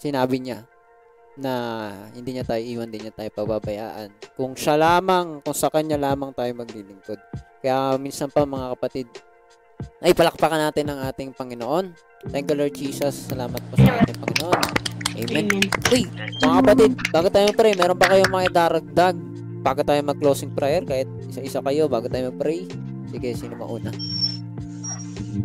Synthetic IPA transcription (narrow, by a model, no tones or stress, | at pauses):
sɪnaːbɪɲa | nɐhɪnd̪iːɲat̪aːjoʔiːwɐnd̪ɪɲːɐt̪aːjopɐɡbabɐja̰ːʔɐ̰nkʊŋʃalaːmɐŋkʊŋsɐkɐɲalaːmɐŋt̪aːjomɐɡ̚lilɪŋko̞d̪̚kɐjaːmiːnsɐnpɐŋmɐŋakɐpɐt̪ɪd̪̚ | ʔɐʔɪpɐlɐk̚pɐkanaːt̪ɪnːɐŋʔaːt̪ɪŋpɐŋɪnoʔo̞n | t̪ɛŋkjʊloɹd͡ʒiːsɐsːɐlaːmɐt̪̚posɐʔaːt̪ɪŋpɐŋɪnoʔo̞nʔɛ̰jmɛnojmɐŋakɐpɐt̪id̪̚baːɡot̪aːjomɐpɾɛjmɛːɾo̞npɐkɐjoŋmɐŋaad̪aːɾɐɡ̚d̪aɡ̚ | b̥aːɡot̪aːjomɐɡ̚klowsɪŋpɾajɛɾkaːhɪt̪̚ʔɪsaʔɪsakɐjo̞baːɡʊt̪aːjomɐɡ̚pɾɛj | d̪ɪkɐjsinɐmɐ̰ʔuːnɐ